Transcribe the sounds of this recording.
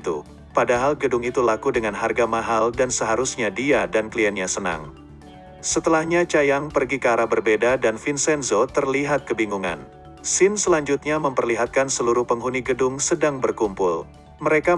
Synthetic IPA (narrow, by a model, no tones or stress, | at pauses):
t̪ṵ | padaɦalɡədʊŋit̪ulakudəŋanɦarɡamaɦaldansəɦaɾusɲadiadankəliɛnɲasəna̰ŋ | sət̪əlahɲat͡ʃajaŋpərɡikaɾabərbedadanfinsɛnzot̪ərliɦat̪̚kəbiŋuŋa̰n | sɪnsəlaɲd͡ʒut̪̚ɲaməmpərliɦat̪̚kansəluɾuhpəŋɦuniɡədʊŋsədaŋbərkumpʊ̰l | məɾeka